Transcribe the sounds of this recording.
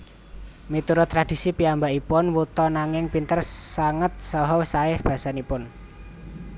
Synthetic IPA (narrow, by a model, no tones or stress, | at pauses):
mit̪uɾɔt̪ɾad̥i̤sipiambaʔipʊnwut̪ɔnaŋɪŋpint̪ərsaŋət̪̚sɔɦɔsaɪhb̥a̤sanipʊn